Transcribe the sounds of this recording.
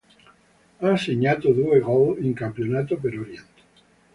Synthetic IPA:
aseɲat̪oðueɣoleŋkampjonat̪opeɾoɾjent̪e̥

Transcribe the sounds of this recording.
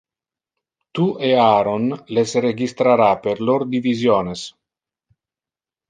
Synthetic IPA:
t̪uʔeaːɾonlesreɡist̪ɾaɾapeɾloɾd̪ivizjoːnes

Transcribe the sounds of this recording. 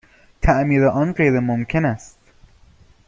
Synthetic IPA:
t̪ʰæʔmiːɾeʔɒːnɡɾeɾemomkʰenæst̪

